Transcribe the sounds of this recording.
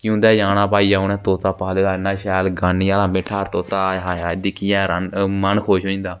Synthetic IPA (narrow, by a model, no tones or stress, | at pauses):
kjõːd̪ɛːjaːnaːpaːiːaːʊnɛ̃ːt̪oːt̪aːpaːleːlaːɪnãːʃɛːlɡaːniːaːlãːmɪʈʰːaːɾt̪oːt̪aːɦaːaːd̪iːkʰiːɛːɾənmənkʰoːʃoːĩːnd̪aː